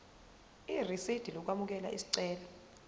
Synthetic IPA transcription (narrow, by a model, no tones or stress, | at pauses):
irisid̥ʱilɔk̬wamuk̬ɛla̰ʔḭsi̥ǀɛːla